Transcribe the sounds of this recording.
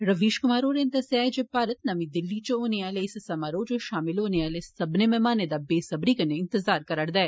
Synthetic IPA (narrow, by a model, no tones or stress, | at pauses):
ɾɐʋiːʃkʊmaːɾoːɾent̪ɐseaːed͡ʒepaːɾət̪nɐmĩd̪ɪlːit͡ʃɦoːneʋaːleɪssɐmaɾoːd͡ʒoʃaːmɪlɦoːneʋaːlessɐbnemẽmaːned̪abeːsɐbɾiːkəneɪ̃nt̪ɪzaːɾkɐɾəɽd̪aɛ